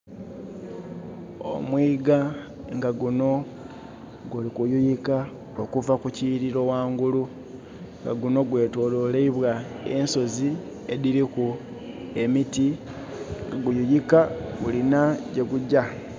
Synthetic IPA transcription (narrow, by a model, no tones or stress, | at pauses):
o̰mwiːɡa | ŋɡaɡuno̞ | ɡulikujujika | okuvakuciːɾiɾo̞waːŋɡulu | ŋɡa̰ɡuno̞ɡwe̞ːto̞ːloleiβwae̞nso̞zi | e̞diɾiku | e̞miti | ŋɡaɡujujikaɡulinaɟe̞ɡuɟa